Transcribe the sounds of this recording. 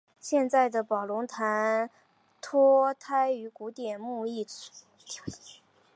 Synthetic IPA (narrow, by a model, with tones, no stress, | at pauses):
ɕjɛ˥˧nt͡sa˥˩ɪd̪ə˩pɑ˨˩ʊlʊ˧˥ŋt̪ʰa˧˥n | t̪ʰɔ˥t̪ʰa˥ɪy˧˥ku˧˥t̪jɛ˨˩nmu˥˧i˥˩